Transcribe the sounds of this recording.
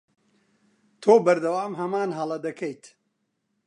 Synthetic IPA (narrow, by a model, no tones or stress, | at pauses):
t̪ʰoːbɐɾd̪ɐwaːmɦɐmaːnɦɐlˠɐd̪ɐkʰejt̪